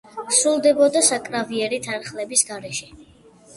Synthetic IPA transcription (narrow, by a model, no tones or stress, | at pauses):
sɾulˠd̪ɛbɔd̪asakʼɾaviɛɾit̪ʰaɾχlɛbisɡaɾɛʃɛ